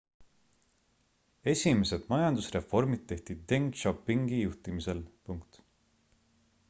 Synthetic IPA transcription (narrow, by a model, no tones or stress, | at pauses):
e̞sʲime̞se̞d̪̥mɑjɑnd̪usre̞fo̞rmid̪̚t̪ːe̞ht̪id̪̚ːeŋɡʃopːiŋɡ̥ijuht̪imise̞lpuŋkt̪